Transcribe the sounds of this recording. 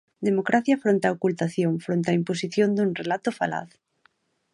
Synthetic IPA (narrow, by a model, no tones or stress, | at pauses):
d̪emokɾaθjafɾont̪aokult̪aθjõŋfɾont̪eaimposiθjond̪unrelat̪ofa̰la̰θ